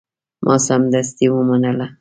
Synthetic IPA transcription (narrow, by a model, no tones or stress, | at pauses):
mʔɑ̰samd̪as̬t̪iwəmanəla